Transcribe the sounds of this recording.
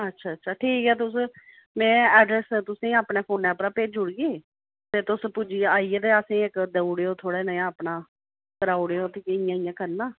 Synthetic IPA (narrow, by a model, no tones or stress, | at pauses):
ətːʃʰaːtːʃʰaːʈʰiːkɦɛːt̪̬ʊs | mɛ̃ːɛːɖɾɛst̪ʊsẽːapneːpʰoːnɛːpɾaːpeːd͡ʒʊɽɡeː | t̪eːt̪ʊspʊd͡ʒiːaːiːeːt̪eːəsẽːɪkd̪əuɽeːoːt̪ʰoːɽɛːnəjãːəpnaː | kəɾaːuɽeːoːt̪eːkɪjãːɪjãːkəɾnaː